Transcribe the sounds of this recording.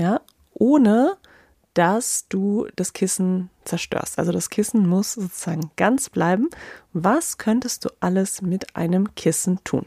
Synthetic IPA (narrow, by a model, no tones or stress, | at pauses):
jaː | ʔoːnə | d̥asd̥uːd̥askʰɪsn̩t͡sɛɐʃtø̰ːɐstʔa̰lzodaskʰɪsn̩mʊsz̥oːt͡suz̥aːɡŋ̩ɡ̥ant͡sb̥laɪbm̩vaskʰœntəst̚d̥ṵːʔaləsmɪtʔa̰ɪnəmkʰɪsn̩tʰṵːn